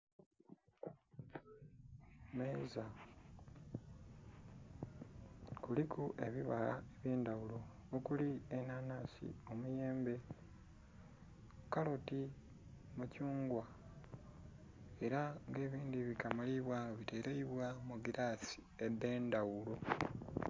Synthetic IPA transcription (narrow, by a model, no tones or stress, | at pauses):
meza | kulikuʔe̞̰βiβa̰ha̰eβje̞ːndawulo̞ː | kulienanaːsḭo̞muje̞ːmbe̞ | kalo̞ti | mucuːŋɡwa | e̞ɾaŋɡe̞ːβiːndiβikamaliβwaoβite̞ːɾeiβwamuɡiɾasi̥ed̪e̞ːndawulo̞